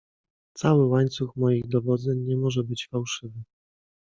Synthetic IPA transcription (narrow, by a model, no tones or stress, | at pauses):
t̪sawɘwaɲt̪suxmɔjiɣd̪ɔvɔd̪zɛɲɲɛmɔʐɛbɘt͡ɕfawʂɘvɘ